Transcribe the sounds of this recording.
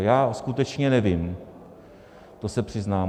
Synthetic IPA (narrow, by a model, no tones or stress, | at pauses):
jaːskut̪ɛt͡ʃɲɛnɛvɪm | t̪osɛpr̝̥ɪznaː